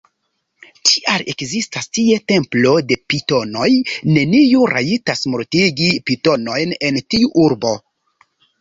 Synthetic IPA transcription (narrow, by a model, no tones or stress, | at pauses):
tʰiʔale̞kzistastie̞te̞mplo̞de̞pito̞no̞jne̞niuɾaitasmoɾtiɡipito̞no̞jne̞ntiuʔuɾbo̞